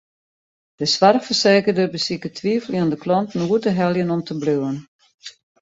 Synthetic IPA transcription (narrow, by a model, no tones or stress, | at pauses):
d̥əsʋarxfərseːkədərbəsikətʰʋiəflˠiəndəkʰlɔntn̩uərdəɦɛlˠjənɔmtʰəbløwən